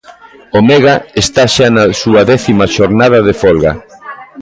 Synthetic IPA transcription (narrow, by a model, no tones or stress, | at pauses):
omeɣaest̪aʃanasuɐðɛθimaʃoɾnað̞ɐðefolɣa̰